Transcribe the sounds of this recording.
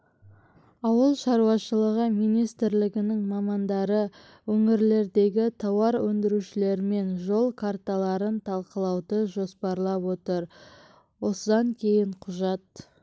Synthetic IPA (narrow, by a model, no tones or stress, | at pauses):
ɑwəlˠʃɑɾuwɑʃəlˠəʁəmijnijst̪ɪɾlɪɡʲɪnɪŋmɑmɑnd̪ɑɾə | wɵŋɪɾle̞ɾd̪e̞ɡʲɪt̪ʰɑwɑɾwɵnd̪ɪɾuʃɪle̞ɾɪme̞nʒo̞lˠkʰart̪alˠɑɾənt̪ʰɑlˠqəlˠɑwd̪əʒo̞spɑɾlˠɑpwo̞t̪əɾ | wo̞səd̪ɑŋkʲʰe̞jɪɴqʰʊʒɑt̪̚